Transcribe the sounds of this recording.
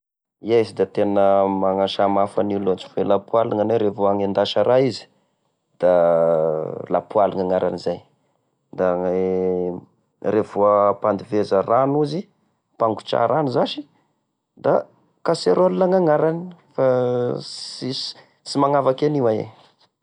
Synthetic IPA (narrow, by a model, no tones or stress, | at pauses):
iezid̪at̪enəmaŋaʃamafanilot͡ʃi̥felapualiŋaneɾevoaŋend̪aʃəɾaizi̥ | d̪̥a | lapualiŋaŋaɾʔa̰nizaj | d̪a | revoəpand̪ivezəranuzi | paŋɡu̥t͡ʃa̰ɾanuzaʃi̥ | d̪a | kaseɾolulaŋaŋaɾani̥fa | i̥ | simaŋavakeniwaḛ